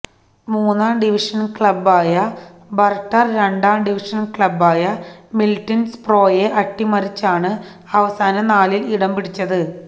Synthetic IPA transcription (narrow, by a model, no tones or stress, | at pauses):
muːnːaːmɖiʋiʂɐnkɭɐbːaːjɐ | bɐrʈːɐrɾe̞ɳɖaːmɖiʋiʂɐnkɭɐbːaːjɐmiltːɐnspro̞ːjeʔɐʈːimɐɾit͡ɕːaːɳɨ | ɐʋɐsaːnɐnaːliliɽɐmbiɽit͡ɕːɐðɨ